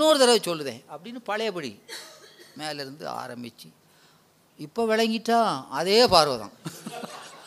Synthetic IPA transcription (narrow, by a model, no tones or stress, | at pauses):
noːɾɯt̪ɐɾɐʋt͡ʃɔlːɯðḛ̃ːɐpːɐɽɪnːɯpɐɻɐjɐpɐɽḭ | meːlɪɾɯnd̪ɯ̰a̰ːɾɐmbɪt͡ʃːɯ | ɪpːoːʋɪɭɐŋɡɪʈːaːɐðeːpaːɾʋɐðã̰ː